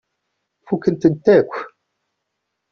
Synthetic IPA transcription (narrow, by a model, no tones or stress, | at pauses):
fukːənt̪ənt̪ːækʷː